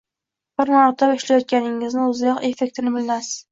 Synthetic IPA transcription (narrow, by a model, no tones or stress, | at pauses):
bɪɾnɑɾt̪ʰapɪʃlajɑt̪̚kʲʰænɪŋɪznɪʊzjɑqefek̚ʲt̪ʰɪnɪbɪlnæs